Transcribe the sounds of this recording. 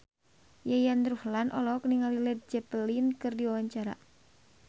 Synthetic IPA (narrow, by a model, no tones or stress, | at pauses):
jajand̪ɾuhlanʔɔ̰lɔkəniŋalilɛd̪̚d͡ʒɛpəlinkɨrdiwawaɲt͡ʃaɾa̰